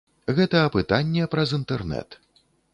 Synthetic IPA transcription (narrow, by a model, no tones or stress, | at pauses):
ɣɛt̪ɐːpɨt̪anʲːɛpɾɐzint̪ɛrnɛ̰t̪